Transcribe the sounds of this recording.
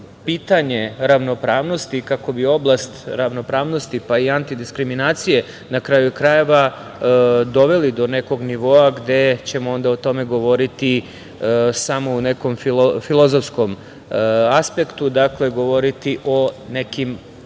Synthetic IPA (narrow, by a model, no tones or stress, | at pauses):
piːt̪aɲe̞ɾaʋno̞pɾaːʋno̞st̪ikako̞bio̞blˠast̪ɾaʋno̞pɾaːʋno̞st̪ipaiant̪id̪iskɾiminaːt̪sije̞ | nakɾajukɾaje̞ʋa | d̪o̞ʋe̞lid̪o̞ne̞ko̞ɡniʋoːaɡd̪e̞t͡ɕe̞moo̞nd̪aot̪o̞me̞ɡo̞ʋo̞ɾit̪i | samo̞une̞ko̞mfilˠozofsko̞m | aspe̞kt̪ud̪akle̞ɡo̞ʋo̞ɾit̪iʔo̞ne̞kim